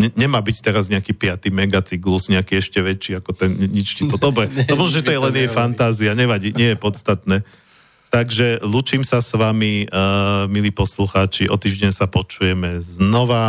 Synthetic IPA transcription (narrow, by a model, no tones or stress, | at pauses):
ɲɛɲɛmaːbict̪ɛɾazɲɛakipɪat̪imɛɡat͡siɡlusɲɛakiːɛʃcɛʋɛt͡ʃːiːakɔt̪ɛnɲit͡ʃtit̪ɔd̪ɔbɾɛt̪ɔmɔʒɛ̃ʒɛt̪ɔjɛlɛnɪjɛjfant̪aːziaɲɛʋaɟiːɲɪɛjɛpɔt̪st̪at̪nɛː | t̪aɡʒɛluːt͡ʃiːmsasʋami | miliːpɔsluxaːt͡ʃiʔɔt̪iːʒɟɛɲsapɔt͡ʃujɛmɛznɔʋa